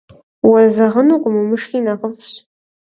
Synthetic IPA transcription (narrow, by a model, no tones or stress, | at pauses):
wɐzɐʁənuqʷʼʊmɨmɨʂxiːnɐʁəfɕ